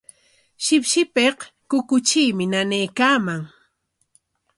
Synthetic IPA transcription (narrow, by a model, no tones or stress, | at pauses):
ʃɪpʃɪpeqkʊkʊt͡ʃiːmɪnanejkaːmaŋ